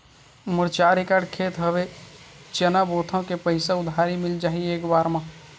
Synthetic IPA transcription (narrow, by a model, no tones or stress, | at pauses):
məɾt͡ʃaːɾekaːɾɖkʰeːt̪ɦəbet͡ʃənaboːt̪ʰõkepəɪsaʊd̪ʱaːɾimɪld͡ʒaːɦieːkbaːɾmã